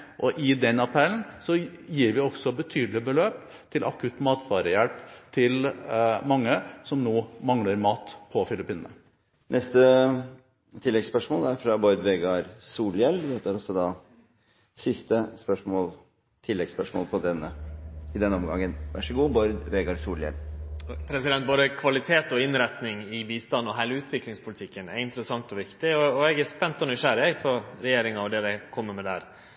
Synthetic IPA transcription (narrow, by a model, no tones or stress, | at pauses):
ʔɔʔɪd̪ɛnɑpʰɛlnsɔjiːɾʋɪɔɡsɔbət̪ʰyːd̪l̩ɪbəløːp | t̪ʰɪlʔɑ̰kʰʉt̪ːmɑːt̪fɑːɾəjælpt̪ʰɪlmɑŋːəsɔmnoːmɑŋləɾmɑːt̪pʰɔfɪlɪpiːnənə | nʔɛst̪ə | t̪ʰɪlːɛɡspœʂmoːlæɾfɾɑbɔɾd̪ʋeːɡɑɾsuːljɛld̪ɛt̪ːəæɾɔsɔd̪ɑː | sɪst̪əspœʂmoːl | t̪ʰɪlːɛɡspœʂmo̰ːlpʰɔd̪ɛnːəɪd̪ɛnːɔmɡɑ̰ŋːənʋæ̰ʂəɡuːbɔɾd̪ʋeːɡɑɾsuːljɛ̰lpʰɾɛsɪd̪ɛnt̪̚boːd̪əkʰʋɑlɪt̪ʰeːt̪ɔɪnɾɛt̪nɪŋɪbiːst̪ɑnːɔɦæɪləʉːt̪ʰʋɪklɪŋspʰʊlɪt̪ʰɪkːənæɾɪnt̪əɾəsɑŋt̪ɔʋɪkt̪ɪɔːɛɡæspɛnt̪ɔnʏʂæɾɪɛpʰɔɾɛjeːɾɪŋɑd̪ɛd̪ɛkʰɔmːəɾmɛd̪æːɾ